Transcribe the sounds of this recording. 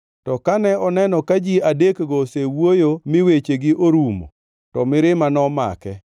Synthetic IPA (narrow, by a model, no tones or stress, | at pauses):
tɔkanɛɔnɛnɔkad͡ʒiadekɡɔsewwojomɪwet͡ʃeɡɪʔoɾumo̰ | tɔmɪɾɪmanɔma̰kɛ